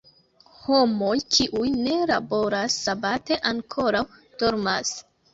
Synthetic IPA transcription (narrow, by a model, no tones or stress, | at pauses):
ho̞mo̞jt͡ʃiʔujne̞labo̞ɾasːabate̞ʔaŋkʰo̞ɾawto̞ɾmas